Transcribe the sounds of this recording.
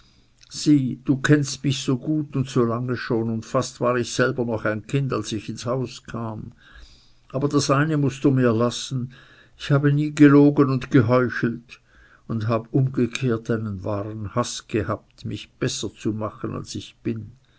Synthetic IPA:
z̥iːd̥uːkʰɛnstmɪçz̥oːɡuːtʊntsoːlaŋəʃoːnʊntfastv̥aːʁɪçz̥ɛlbɐnɔχaɪnkʰɪndalsɪçɪnshaʊskʰaːm | ʔaːbɐdasʔaɪnəmʊstd̥uːmiːɐlasn̩ | ɪçhaːbəniːɡəloːɡənʊntɡ̥əɦɔʏçl̩t | ʊndɦaːbəʔʊmɡəkʰeːɐtaɪnənvaːʁənhasɡ̥əhaːp̚tmɪçb̥ɛsɐt͡sumaχəna̰lsɪçb̥ɪn

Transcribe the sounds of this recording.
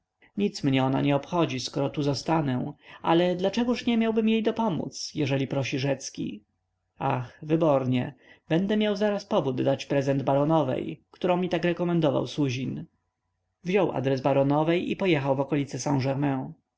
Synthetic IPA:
ɲit̪smɲɛɔna̰ɲɛɔpxɔd͡ʑiskɔɾɔt̪uzɔst̪anɛʔalɛd̪lat͡ʂɛɡuʂɲɛmʲjawbɘmjejd̪ɔpɔmṵt̪sjɛʐɛlʲipɾɔɕiʐɛt̪skʲḭ | axvɘbɔɾɲɛ̰bɛnd̪ɛmjawzaɾaspɔvud̪dːat͡ɕpɾɛzɛnd̪baɾɔnɔvɛ̰jkt̪uɾɔ̃w̃mʲit̪akɾɛkɔmɛnd̪ɔva̰wsuʑin | vʑɔwʔa̰d̪ɾɛzbaɾɔnɔvɛjḭpɔjɛxawvɔkɔlʲit̪sɛsãnʐɛɾmɛ̃

